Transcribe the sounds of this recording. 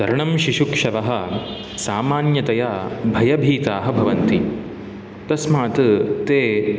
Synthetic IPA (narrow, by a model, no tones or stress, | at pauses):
d̪ɐɾɐɳɐmʃiʃukʂɐʋɐɦɐ̆ | saːmaːnjɐt̪ɐjabʱɐjɐbʱiːt̪aːɦɐbʱɐʋɐnt̪i | t̪ɐsmaːt̪ɨt̪eː